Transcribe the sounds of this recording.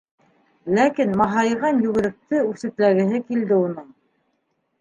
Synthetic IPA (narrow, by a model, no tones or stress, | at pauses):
lækinmɑɦɑjʁɑnjɵ̆ɡɘ̆ɾɘ̆k̚t̪ɘʉθɘ̆t̪læɡɘ̆ɦɘkild̪ɘunɤɴ